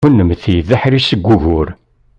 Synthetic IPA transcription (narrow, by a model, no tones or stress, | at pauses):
unːəmθjðæħɾisəɡʷːuʝʊɾ